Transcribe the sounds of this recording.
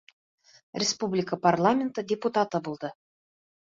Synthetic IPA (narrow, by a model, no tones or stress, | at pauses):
rʲespublʲɪkəparlˠamʲɪnt̪ədʲeput̪at̪ɤbulˠd̪ɤ